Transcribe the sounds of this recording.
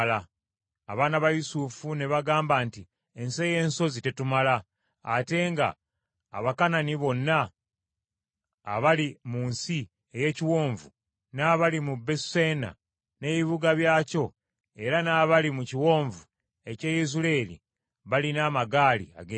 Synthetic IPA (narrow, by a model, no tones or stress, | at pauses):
la | a̰βaːnaβajusufune̞βaɡaːmbanti | e̞nse̞je̞ːnso̞zite̞tumala | ate̞ŋɡa̰ː | βakananiβo̞nːa | βalimuːnsi | e̞je̞ːciwo̞ːɱvu | naːβalimubesena̰ | ne̞βiβuɡaβjaːco̞ | e̞ɾanaːβalimuciwo̞ːɱvu | e̞ce̞ːjezuleːlḭ | βalinaːmaɡaːlḭa̰ɡ